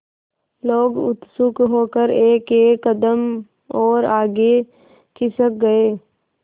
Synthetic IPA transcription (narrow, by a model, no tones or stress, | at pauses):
loːɡʊ̰t̪sʊkɦoːkəɾeːkeːkːəd̪əm | ɔːɾaːɡe | kɪsək̚ɡɐeː